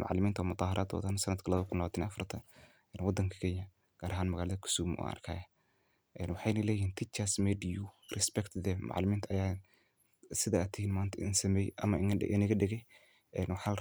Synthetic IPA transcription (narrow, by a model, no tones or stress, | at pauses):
mɑ̰ʕlɪmiːnt̪ʰwamʊt̪ˤɑːhɑɾʔaːd̪ɔ̰ːd̪ɐnsɐnɐd̪kʰɐlɐβkʰʊnlɐβaːt̪ʰɪnɛɐfɐrt̪ʰɐ | ɛːnwɑd̪ɐŋkʰɐ̥kʰɛːɲjɐ | ɡ̥aːɾʔɐɦaːnmɐɣaːlɐðɐkʰʊ̥suːmʔṵʔɐ̰rkʰaːjɐ | ʔɛːnwɑħɑjnɐlɛːjɪhiːnt̪ʰit͡ʃɐsmɛdiurɛspɛkt̪ʰd̪ɛmʔɑ̰ʕlɪmiːnt̪ʰɐɐjaː | sɪðaːt̪ʰɪhiːnmaːnt̪ʰɐʔɪ̰nsɐmɛjɐmɐɪ̰ʔɪ̰nɪɣɐɖɛɣɛj | ɛnwɑħa